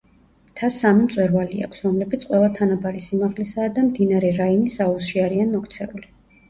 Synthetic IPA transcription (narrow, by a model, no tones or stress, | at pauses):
t̪ʰasːamimt̪sʼwɛɾvalia̰kʰsɾɔmlɛbit̪sqʼwɛlˠat̪ʰanabaɾisimaʁlisaːd̪amd̪inaɾɛɾainisausʃiaɾianmɔkʰt̪sʰɛuli